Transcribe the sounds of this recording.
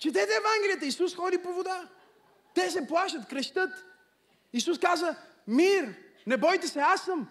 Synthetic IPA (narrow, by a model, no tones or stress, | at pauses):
t͡ʃɛd̪ɛt̪ɛːvaŋɡʲɛlijət̪əisusxɔd̪ipovod̪a | t̪ɛs̬ɛplˠaʃət̪kɾɛʃt̪ɤt̪ | isuskazə | miɾ | nɛbɔjt̪ɛsɛasəm